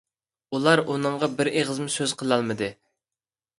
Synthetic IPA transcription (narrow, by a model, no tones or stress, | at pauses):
ulˠɑɾunɨɴʁɑbɪɾeʁəzmʊsøz̥qʰəlˠɑlˠmɨd̪ɨ